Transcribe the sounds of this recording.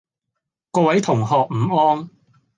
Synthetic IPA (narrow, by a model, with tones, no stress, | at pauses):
kɔː˧wɐ˨˥jt̪ʰʊ˨˩ŋɦɔː˨˩k̚m̩ː˨˩ɔː˥ŋ